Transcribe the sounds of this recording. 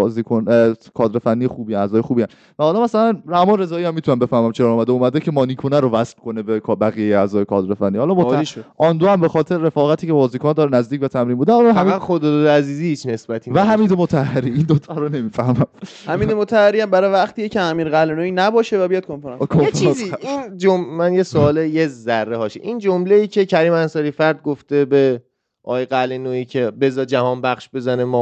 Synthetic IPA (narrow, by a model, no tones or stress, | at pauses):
zikʰonkʰɒːd̪ɾefænːijexuːbiænæzɒːjexuːbiæn | væɒːd̪æmːæsælænɾæhmɒːnɾe̞zɒːiːæmːit̪unæmbe̞fæhmæmt͡ʃʰeɾɒːɾɔːmæd̪euːmæd̪ecʰe̞mɒːniːkʰonæɾovæslkʰo̞nebekʰbæɣijejeæzɒːjekʰɒːd̪ɾefænːiːhɒːlɒmoiʃʔɒnd̪ohæmbe̞xɒːt̪ʰe̞ɾɾe̞fɒːɣæt̪ʰiːcʰebɒːziːkʰonɛd̪ɒːɾenæzd̪iːcvæt̪ʰæmɾiːmbuːd̪æhːlɦæmod̪ɒd̪ɾæziːzisnesbæt̪ʰivæɦæmiːd̪emot̪ʰæhæɾiːind̪ot̪ʰæɾone̞miːfæhmæm | hæmiːd̪emot̪ʰæhaɾiæmbæɾɔjvæχt̪ʰiːjeceæmiːɾɣælenoinæbɒːʃevæbejɒd̪konfeɾɑkʰoeft͡ʃʰiziind͡ʒommænjesoɒːlejezærːehɒːʃḛʔiːnd͡ʒomleiːcʰe̞cʰæɾiːmænsɒːɾiːfæɾd̪̚ɡoft̪e̞be̞ | ʔɒ̰ːjeɡælenoiːcʰe̞be̞zɒːd͡ʒæhɒːnbæχʃbe̞zænemɒː